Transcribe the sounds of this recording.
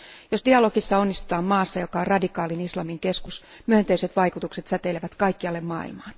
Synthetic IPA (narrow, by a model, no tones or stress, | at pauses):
josdiɑlokisːɑo̞nːist̪u̥t̪ɑːmmɑːsːɑjo̞kɑorɑdikɑːlinislɑmiŋke̞skusmyønt̪eiset̪ʋɑjkut̪ukse̞t̪sæt̪eleʋæt̪kɑjkːiɑlːemmɑ̰ːḭlmɑːn